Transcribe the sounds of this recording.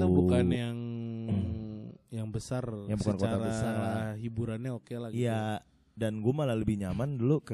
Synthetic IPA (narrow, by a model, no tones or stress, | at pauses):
abukanjaŋ | jaŋbəsarjabukankott̪abəsaɦibuɾanɲaokelaɡjija | danɡumalaləbɪhɲamanduluk